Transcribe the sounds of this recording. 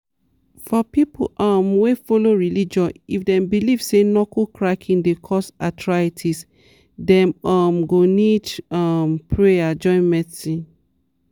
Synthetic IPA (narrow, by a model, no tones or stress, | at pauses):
fɔpipo̰ʔɔmwefoloɹilid͡ʒɔ̃nifdɛ̃mbilivsenɔkʰokʰɹakʰĩndekʰɔsatʰɹaitʰis | dɛ̃mɔmɡonidɔmpʰɹead͡ʒɔ̃ɪ̃nmɛsi